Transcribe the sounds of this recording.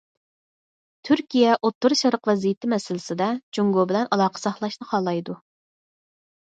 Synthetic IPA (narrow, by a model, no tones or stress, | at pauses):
t̪ʰyɾkʲijɛʔot̪ːuɾʃɑɾəqvɛzijɪt̪ʰɪmɛsɪlɪsɪd̪ɛt͡ʃuŋɡobɪlɛnʔɑlˠɑːqʰə̥sɑχlˠɑʃnɨχʰɑlˠːɑjd̪u